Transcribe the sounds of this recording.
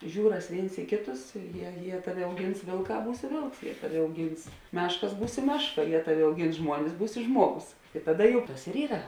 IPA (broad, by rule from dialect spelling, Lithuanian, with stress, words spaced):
ˈʒʲuːrɐs ˈʋʲeːɪns ɪ ˈkʲeːˌtʊs ˈjiɛ jiɛ ˈtɑːˌʋʲɪ ɐʊˈɡʲɪns ˈʋʲeːlˠˌkɑː ˈbuːsʲɪ ˈʋʲeːlˠks ˈtɑːˌʋʲɪ ɐʊˈɡʲɪns ˈmʲæːʃkɐs ˈmʲæːʃˌkɐ ˈjiɛ ˈtɑːˌʋʲɪ ɐʊˈɡʲɪns ˈʒmuɔnʲɪs ˈbuːsʲɪ ˈʒmuɔˌɡʊs ɪ ˈtɑːˌdɐ jɛʊ ˈtɐs ɪr ˈiːrɐ